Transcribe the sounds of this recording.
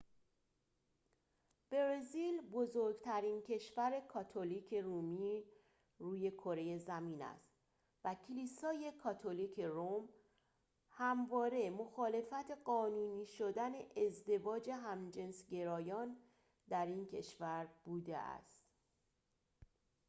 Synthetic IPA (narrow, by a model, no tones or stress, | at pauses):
b̥eɾezilbozoɾɡt̪ʰæɾiːncʰe̞ʃvæɾe̞kʰɒt̪ʰoliːcʰe̞ɾuːmiː | ruːje̞kʰo̞ɾe̞je̞zæmiːnæ̰st̪ | væcʰiliːsɒːje̞kʰɒt̪ʰoliːcʰerom | hæmvɒːɾe̞mo̞xɒːle̞fæt̪ʰe̞ɢɒːnuːniːʃod̪æne̞ʔezd̪e̞vɒːd͡ʒe̞ɦæmd͡ʒe̞nsɟe̞ɾɒːjɒːn | d̪æɾiːncʰe̞ʃvæɾb̥uːd̪ḛʔæ̰st̪